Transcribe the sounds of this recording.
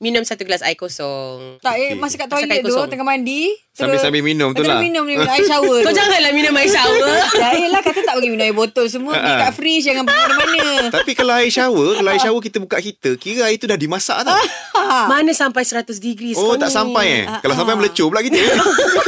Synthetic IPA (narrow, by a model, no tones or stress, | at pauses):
minʊ̃msat̪uklasa̰jkosɔt̪aʔmasəkaʔt̪olad̪ot̪əŋamanditsəaɾbɪsambɪhminʊ̃mt̪ulaminʊ̃miajiʃawəkad͡ʒaŋãnlaminʊ̃maisawəajəlahkat̪əaʔbəɡiminʊ̃majibot̪ols̬əmũəakaʔfɾisdaŋãnpəəɾmanə̃t̪apikalaajiʃawəkalaajiʃawək̬it̪əbukaʔkit̪əkiɾəait̪udahdimasa̰ʔt̪a | manəsampajsəɾat̪ʊs̬dəɡɾisot̪aʔsampajə̰kalawsampajmələt͡ʃoplaʔkit̪ə